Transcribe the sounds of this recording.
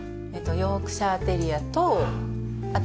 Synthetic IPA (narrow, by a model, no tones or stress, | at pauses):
et̪ojoːkɯ̟̥ɕaːt̪eɾʲiat̪o | at̪